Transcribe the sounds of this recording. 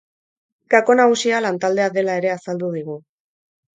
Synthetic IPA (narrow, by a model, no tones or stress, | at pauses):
kako̞naɣusialant̪ald̪e̞aðe̞lae̞ɾe̞asald̪uð̞iɣ̞u